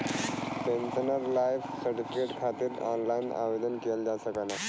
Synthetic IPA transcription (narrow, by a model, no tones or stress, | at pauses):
pensənəɾlajfsəʈikeʈkʰat̪iːɾɔ̰nlajna̰ʋed̪ənkeld͡ʑasəkana